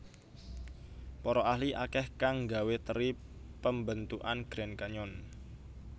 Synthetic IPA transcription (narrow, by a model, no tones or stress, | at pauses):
pɔɾɔahliʔakɛhkaŋɡawet̪əɾi | pəmbənt̪uʔanɡ̥ɾɛnkaɲɔn